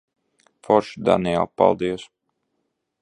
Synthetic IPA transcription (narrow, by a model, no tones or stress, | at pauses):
fɔɾʃd̪a̰nialˠpa̰lˠd̪iɔs